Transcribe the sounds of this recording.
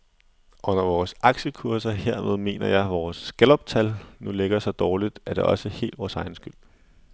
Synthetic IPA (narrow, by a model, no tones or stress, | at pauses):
ʔɔ̽n̰ɐʋɒːsɑ̈ɡ̥ɕəkʰuɐsɐhe̝ɐ̰með̞ˠme̝̰ːnɐjɑ̈ɪʋɒːsɡ̥elɒ̽b̥t͡sʰælnule̝ɡ̥ɐsɒ̽d̥ɒːlid̥æɐɾ̥e̝ʔɒ̽səhe̝̰ːld̥ʋɒːsɑ̈ɪnsɡ̥yl̰